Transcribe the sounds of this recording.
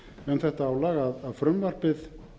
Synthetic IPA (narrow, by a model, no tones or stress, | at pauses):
ɛnθɛht̪aaːwlaːɣaðaðfɾʏmvar̥pɪð